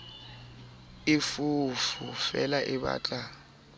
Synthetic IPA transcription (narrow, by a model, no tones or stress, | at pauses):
ifufufɛlaʔiɓa̰ːt͡ɬʼa